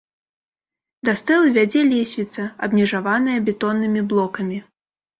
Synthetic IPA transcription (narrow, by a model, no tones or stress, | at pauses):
d̪ɐst̪ɛlˠɨvʲad͡zʲɛlʲɛsʲvʲit̪sɐɐbmʲɛʐavanɨjɐbʲɛt̪ɔnːɨmʲiblˠɔkɐmʲi